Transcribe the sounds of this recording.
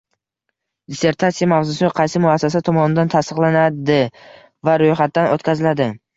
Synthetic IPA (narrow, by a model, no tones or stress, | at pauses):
d̪ɪse̞ɾt̪ʰat̪sijamavzʊsɪqʰɑjsɪmʊasːasat̪ʰɒmɒnɪd̪ant̪ʰast̪ɨqlˠanad̪ɪ | vaɾojχat̪̚ːanʔot̪kʲʰazɪlad̪ɪ